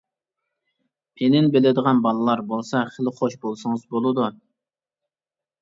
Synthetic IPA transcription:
pʰenɪnbelɪd̪əʁɑnbɑlˠɨlˠɑɾbolˠsɑχəlˠɪχoʃbolˠsɨŋɨzbolˠɨd̪u

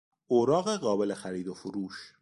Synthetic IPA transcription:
oɾɑːɣeɣɑːbɪlexaɾid̪ofuɾuːʃ

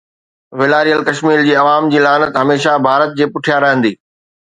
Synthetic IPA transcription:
ʋɪlaːɾijəlkɐʃmiːɾd͡ʑiːɐʋaːmd͡ʑiːlaːnət̪ɦɐmeːʃabʱaːɾət̪̚d͡ʑeːpʊʈʰijaɾɐɦə̃nd̪iː

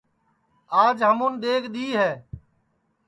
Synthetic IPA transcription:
aːd͡ʒɦəmʊnd̪eːkʰɗ̪iːɦɛː

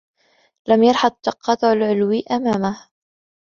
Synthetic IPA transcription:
lamjɑɾˤħɑd̪̚ˤt̪ːɑqːɑːt̪ˤʕalʕʊlwiʔamaːmah

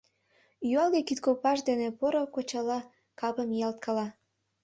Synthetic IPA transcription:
jyɑlɣekit̪kopɑʃd̪enepoɾokot͡ɕɑlɑ | kɑpəmjɑlt̪̚kʰɑlɑ

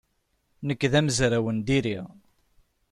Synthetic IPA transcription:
nəkːðæməzɾæwənd̪iɾiʁ

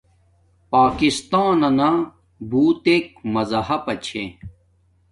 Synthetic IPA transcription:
paːkist̪aːnɐna | buːt̪eːk̚mɐzɐɦɐpɐt͡ɕʰḛ̃

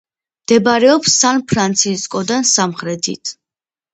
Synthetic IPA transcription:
md̪̥ɛbɾɛɔpsːanpʰɾant̪sʰiskʼɔd̪ansamχɾɛt̪ʰḭt̪ʰ

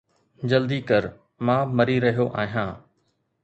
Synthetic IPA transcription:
d͡ʑəld̪iːkəɾ | mãːməɾiɾəɦijoʔa̰ːɦjãː

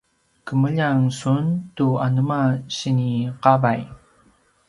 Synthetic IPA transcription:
kəməʎaŋsuntuanəmaɕiniqavaj

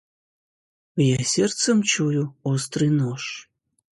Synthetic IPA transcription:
jasʲert̪st͡səmt͡ɕujuost̪rɨjnoʃ

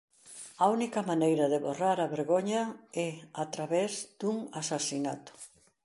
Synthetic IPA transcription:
aunikɐmanejɾɐðeβoraɾɐβeɾɣoɲɐɛat̪ɾaβɛzd̪̥uŋasasina̰t̪ʊ̥

